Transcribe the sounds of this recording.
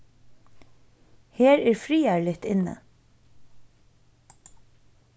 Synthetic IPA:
heːɾæːɹfɾiːæɹlɪt̪ɪnːə̰

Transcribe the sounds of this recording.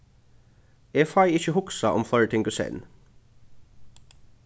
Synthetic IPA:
eːfɑɪɪçəhʊksɑʔɔ̰mflˠɔɹət̪ʰɪŋɡʊsɛ̰n

